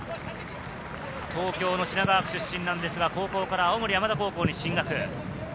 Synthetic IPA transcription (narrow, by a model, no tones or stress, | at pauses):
t̪o̞ːkʲo̞ːno̞ɕinaɡaːkɯ̟̥ɕɨɕːĩnːãnd̪e̞sɨɡako̞ːko̞ːkaɾaːomo̞ɾʲijamad̪ako̞ːko̞ːɲ̟iɕĩŋɡakɯ̟